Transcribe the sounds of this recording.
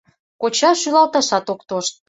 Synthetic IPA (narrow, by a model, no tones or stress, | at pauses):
kot͡ɕɑʃylɑlt̪ɑʃɑt̪okt̪oʃt̪̚